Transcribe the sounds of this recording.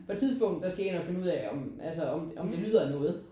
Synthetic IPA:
pʰɒ̽t͡sʰiðˠsb̥ɔ̽ŋ̰d̥d̥ɑ̈sɡ̥æe̝̰ːnɒfe̝nəuð̰ˠɛɒ̽mʔælsəɒmʔɒ̽md̥e̝ly̰ð̰ˠɐnɔ̽ːð̩ˠ

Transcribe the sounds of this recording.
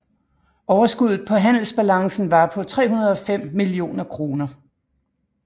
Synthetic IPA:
ʔɒʊɐsɡ̥uð̞̰ˠð̩ˠpʰɒ̽ɦæn̰l̩sb̥ælɑ̈ŋsn̩ʋɑ̈pʰɒ̽t͡sʰʁɛ̰ːɦunɐð̞̩ˠɒ̽fem̰ːilio̝̰ːnɐkʰʁo̝ːnɐ

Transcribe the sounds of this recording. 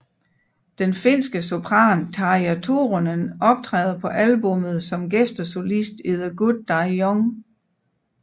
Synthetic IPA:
d̥enfe̝n̰sɡ̥əso̝pʰʁɑ̰̈ːnt͡sʰɑ̈iæt͡sʰoʁonənɒ̽b̥̚t͡sʰʁɛ̰ːð̞ˠɐpʰɒ̽ʔælbɔ̽mð̩ˠsɒ̽mɡ̥esd̥ɐso̝lisd̥eðˠɐɡ̥ud̥̚ːɑ̈ɒŋ

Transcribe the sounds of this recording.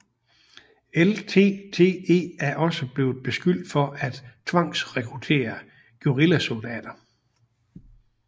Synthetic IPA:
elt͡sʰe̝̰ːt͡sʰe̝̰ːe̝̰ːæɐʔɒ̽səb̥le̝ːʊð̩ˠb̥e̝sɡ̥yl̰d̥fɒ̽ʔæd̥t͡sʰʋɑ̈ŋ̰sʁɛkʰʁut͡sʰe̝̰ːɐ | ɡ̥juʁilæsuld̥ɛ̰ːd̥ɐ

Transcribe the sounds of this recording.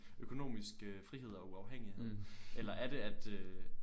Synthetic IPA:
økʰo̝no̝̰ːmisɡ̥øfʁiɦe̝ð̞̰ˠɒ̽uɑ̈ʊɦeŋ̰iheð̰ˠʔelɐʔæɐd̥e̝æd̥ø

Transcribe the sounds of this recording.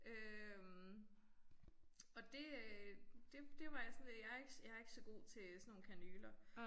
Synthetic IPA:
ʔøm | ɒ̽d̥e̝ | d̥e̝d̥e̝ʋɑ̈jsɔnjɑæɐe̝ɡ̥sjɑ̈æɐe̝ɡ̥əsɒ̽ɡ̥o̝̰ːt͡sʰe̝sɒnːo̝ːnkʰænyːlɐ

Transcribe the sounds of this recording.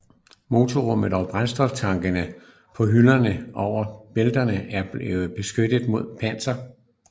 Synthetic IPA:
mo̝t͡sʰoʁɔmð̞̩ˠɒb̥ʁansd̥ɒ̽ft͡sʰɑ̈ŋɡ̥ənə | pʰɒ̽ɦylɐnəʔɒʊ̰ɐb̥eld̥ɐnəʔæɐb̥eʊb̥e̝sɡ̥ød̥əð̩ˠmo̝ð̞̰ˠpʰæn̰sɐ

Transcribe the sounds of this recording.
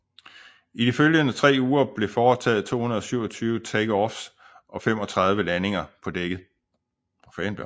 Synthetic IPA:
id̥iføljənət͡sʰʁɛ̰ːuːɐb̥le̝fɒːt͡sʰɛ̰ːð̩ˠt͡sʰo̝̰ːunɐð̩ˠɒ̽syʊɒt͡sʰyːʊət͡sʰeɡ̥ɒfs | ʔɒ̽fem̰ɒ̽t͡sʰʁɑ̈ð̞ˠʋəlæne̝ŋɐpʰɒ̽d̥eɡ̥əð̩ˠ | fɛnb̥l

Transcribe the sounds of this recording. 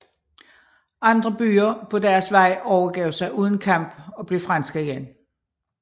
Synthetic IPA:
ʔɑ̈nd̥ʁɐb̥y̰ːɐpʰɒ̽dæɐsʋɑ̈ɪ̰ʔɒʊɐɡ̥ɛ̰ʊsɑ̈ɪʔuːð̞ˠn̩kʰɑ̈m̰b̥ɒ̽b̥le̝fʁɑnsɡ̥ɐiɡ̥en

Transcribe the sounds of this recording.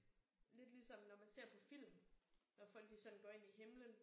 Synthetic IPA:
le̝d̥lisɒ̽mnɒmænse̝ɐ̰pʰɒ̽fil̰mnɒfɒ̽l̰ɡ̥d̥isɒ̽d̥n̩ɡ̥ɒːe̝n̰iɦe̝mlən

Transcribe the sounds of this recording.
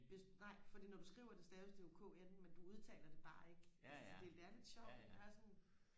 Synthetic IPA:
ʋ̥e̝snɑ̈ɪ̰fɒ̽d̥ḭːnɒd̥usɡ̥ʁḭʊɐd̥e̝sd̥ɛːisd̥e̝ukʰɔ̰enmend̥uuð̞ˠt͡sʰɛ̰ːlɐd̥e̝b̥ɑ̈ːe̝ɡ̥əʔælssəd̥e̝æʋæɐlið̥ˠɕɒʊ̰de̥æsɒ̽n

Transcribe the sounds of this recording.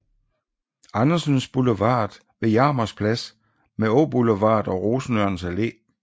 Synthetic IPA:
ɑnɐsənsb̥uləʋɑ̰̈ːd̥ | ʋe̝jɑ̈ːmɐspʰlæs | meob̥uləʋɑ̰̈ːd̥ɒ̽ʁoːsn̩øɐnsæle̝̰ː

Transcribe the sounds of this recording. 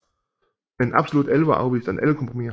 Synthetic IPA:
vɛnʔa̰psoluːtʔɛlva̰ʔa̰ʊviːstanʔɛ̰lkʰɔmpʁomiː

